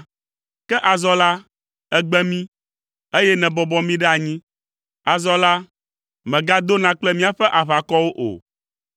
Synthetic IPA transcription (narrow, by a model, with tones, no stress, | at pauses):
kɛ˦ʔa˨zɔ˦la˦ | ɛ˦ɡ͡bɛ˦mĩ˦ | e˦jɛ˦nɛ̃˨bɔ˨bɔ˦mĩ˦ɖɛ˦a˨ɲĩ˦ | a˨zɔ˦la˦ | mɛ̃˨ɡa˦d̪o˦nã˦k͡plɛ˦mĩ˦a˨ɸɛ˦ʔa˨βa˨kɔ˦wo˦ʔo̰˨